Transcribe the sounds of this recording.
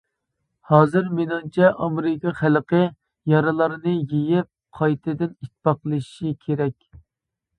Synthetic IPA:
hɑːzɨɾmenɑnt͡ʃʰɛʔɑmeɾɪkʲʰɑχælˠqʰə | jɑɾɨlˠɑɾnɨjejɪp̚qʰɑjt̪ʰɨd̪ɪnit̪ʰːpɑqəlˠɨʃikʲʰeɾɛkʲ

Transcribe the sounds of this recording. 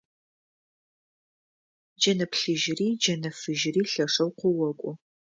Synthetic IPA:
d͡ʒɐnɐpʰɬɨʒriːd͡ʒɐnɐfɨʒriːɬɐʂɐwqʷɔwɔkʷʼʊ

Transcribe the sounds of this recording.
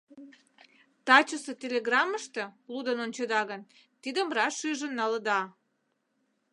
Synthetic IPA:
t̪ɑt͡ɕəsə̆t̪ʲelʲeɣrɑməʃt̪ə̆lud̪ənont͡ɕəd̪ɑɣən | t̪id̪əmrɑʃyʒə̆nːɑləd̪ɑ

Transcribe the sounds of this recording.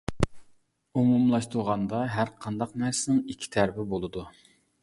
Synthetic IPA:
umumlˠɑʃt̪ʰuɾʁɑnd̪ɑɦæɾqʰɑnd̪ɑq̚næɾsɪnɪŋikʲʰːi̥t̪ʰæɾpɪbolˠɨd̪u

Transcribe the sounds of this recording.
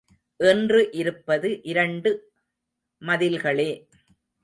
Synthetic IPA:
ʔɛndrɯʔɪɾɯpːɐðɯʔɪɾɐɳɖɯ | mɐðɪlɣɐɭeː

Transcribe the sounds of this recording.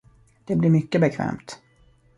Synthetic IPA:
d̪̥ɛblɪɾmʏkːəbɛkʰvɛ̰ːmt̪

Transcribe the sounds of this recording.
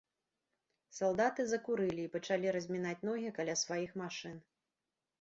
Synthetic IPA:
salˠd̪at̪ɨzɐkuɾɨlʲiːpɐt͡ʂalʲiɾɐzʲmʲinat͡sʲnɔɣʲikalʲasvajixmaʂɨn

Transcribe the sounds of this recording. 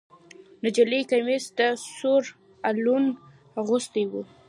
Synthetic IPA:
nad͡ʒalikajmesd̪əsoɾ | alun | ɣost̪iwu

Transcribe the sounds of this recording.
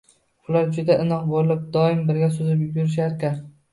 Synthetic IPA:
ʊlaɾd͡ʒʊd̪aʔɪnɒqbollɪp̚d̪ɒɪmbɪɾɡʲasɵzɪpjʊbjʊɾɪʃ̬aɾkʲan

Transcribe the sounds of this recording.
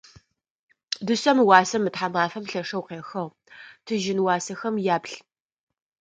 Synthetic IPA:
dɨsɐmwɑːsɐmːɨtħamaːfɐmɬɐʂɐwqeːxɐʁ | tʰɨʒɪnwɑːsɐxɐmjaːpɬ

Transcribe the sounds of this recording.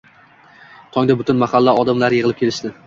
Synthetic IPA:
t̪ʰɒŋd̪abʊt̪ʊnmahalːaɒd̪amlaɾjɨʁɨlˠɪpkʰʲe̞lɪʃt̪ɪ

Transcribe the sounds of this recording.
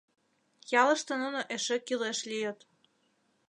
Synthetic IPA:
jɑlɤ̆ʃt̪ɤ̆nunoʔeʃĕkileʃlijɤt̪

